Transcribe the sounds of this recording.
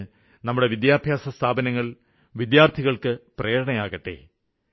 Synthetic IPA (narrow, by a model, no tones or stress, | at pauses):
nɐmːuɽe̞ʋid̪jaːbʱjaːsɐst̪ʰaːbɐnɐŋːɐɭ | ʋid̪jaːrt̪ʰiɣɐɭkɨpreːɽɐɳɐjaːɣɐʈːe̞̰ː